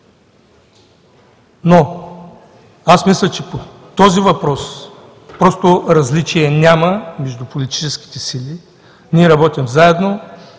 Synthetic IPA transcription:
no | asmislʲɐt͡ʃɛpo | t̪ɔzivɐpɾɔs | pɾɔst̪oɾɐzlit͡ʃiɛnʲaməmɛʒd̪upolit̪i̥t͡ʃɛsk̟i̥t̪ɛsilʲi | nʲiɛɾɐbɔt̪ʲimzaɛd̪no

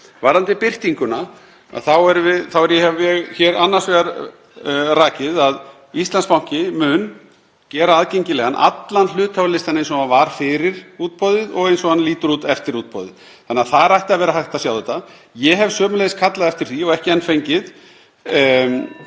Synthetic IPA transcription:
vaɾant̪ɪpɪr̥t̪iŋkʏna | a̰ðθawɛɾvɪðθawɛɾjɛhɛvjɛɣçɛːɾanːasvɛɣaɾ | raːcɪðað | ist̪lanspawŋ̥cɪmʏn | cɛːɾaaðcejɲcɪlɛɣanʔa̰t̪lanl̥ʏːt̪hawlɪst̪anːejns̬ɔvanvaɾ̥fɪɾɪɾuːt̪̚pɔðɪðɔɣejnsɔɣanliːt̪ʏɾuːt̪ɛft̪ɪɾuːt̪̚pɔ̰ðɪ̰ð | θanːɪaθaðɾajht̪ɪaðvɛːɾaɦajht̪asjawðʏːt̪a | jɛɦɛvsœːmʏlejɪskʰat̪laðɛft̪ɪɾ̥θiɔɣɛhcɪɛnːfejɲcɪð

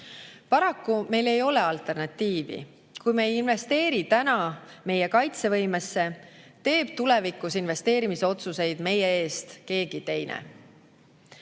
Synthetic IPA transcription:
pɑɾɑkːume̞jle̞jo̞le̞ɑlt̪ːˑe̞rnɑt̪ːiːvḭ | kujmeejinve̞st̪e̞ːɾit̪ænɑme̞jekɑjt̪se̞vɤ̞jmesːe̞ | t̪e̞ːb̥̚t̪ule̞vikːˑusinve̞st̪e̞ːɾimiseo̞t̪suse̞jd̪̥me̞jee̞ːst̪ke̞ːɡ̥it̪e̞jnḛ

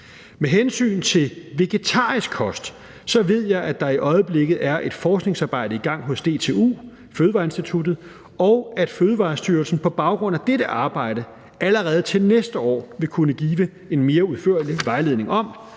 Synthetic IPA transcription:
meɦensy̰ːnt͡sʰe̝lʋe̝ɡ̥e̝t͡sʰɑ̰̈ːʁisɡ̥̚kʰɒ̽sd̥ | sɒ̽ʋe̝ð̞̰ˠjɑ̈ɪʔæd̥ɑ̈iʔɒ̽ɪəb̥leɡ̥ð̩ˠæɐʔe̝d̥fɒːsɡ̥ne̝ŋsɑ̈ːb̥ɑ̈ɪ̰ɾəiɡ̥ɑ̈ŋ̰ɦɔ̽sd̥e̝̰ːt͡sʰe̝ːṵː | føːðˠʋɑ̈ːe̝nsd̥it͡sʰud̥ð̩ˠ | ɒʊæd̥føːð̞ˠəʋɑ̈ːsd̥yːɐlsn̩pʰɒ̽b̥ɑ̈ʊɡ̥ʁɔ̽n̰æd̥eɾəʔɑ̈ːb̥ɑ̈ɪ̰ɾ̥ə | æləʁɛːð̞̩ˠt͡sʰe̝lnesd̥əɒ̰ːʋe̝kʰunəɡ̥iːʋə | e̝nme̝ːɐuðˠfø̰ɐliʋɑ̈ɪle̝ðˠne̝ŋʔɒ̽m

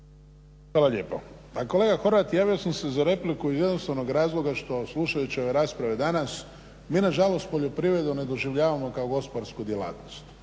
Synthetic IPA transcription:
xʋaːlaʎe̞ːpo̰ | ako̞le̞ːɡaxo̞ɾʋat̪jaːʋijosamse̞zaɾe̞plikuizjed̪nost̪aʋno̞ɡɾaːzlˠo̞ɡaʃt̪o̞sluʃajut͡ɕio̞ʋe̞ɾaːspɾaʋed̪anas | miːnaʒalo̞st̪̚poʎo̞pɾiʋɾe̞d̪une̞d̪o̞ʒiʋʎaːʋamo̞kaoɡo̞spoɾskud̪jela̰ːt̪nost̪

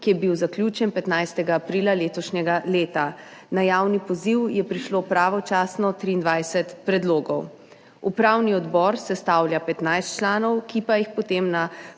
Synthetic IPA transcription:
kijɛbiwzaklʲjut͡ʃɛnpɛt̪najst̪ɛɡaːpɾiːlaleːt̪ɔʃɲɛɡaleːt̪anajaːwnipɔziwjɛpɾiʃlopɾaːʋɔt͡ʃaːsnɔt̪ɾiːnd̪ʋajsɛt̪pɾɛd̪loːɡɔw | upɾawniɔd̪bɔɾsɛst̪awljapɛt̪najst̪t͡ʃlaːnɔwkipajixpɔt̪emna

